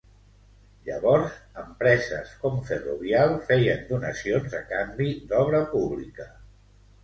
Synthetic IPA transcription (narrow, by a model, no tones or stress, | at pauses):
ʎə̰βɔɾzəmpɾɛzə̰skɔmfəruβ̞ialˠfɛjənd̪unəsionzəkambid̪ɔβ̞ɾəpuβlikə